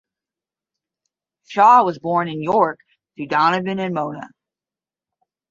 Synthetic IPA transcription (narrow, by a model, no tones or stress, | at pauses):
ʃɑwʌzbɔɹnɨ̃njɔɹk | θʰɨdɑnɨvɨ̃nɨ̃nmõʊ̃nə̰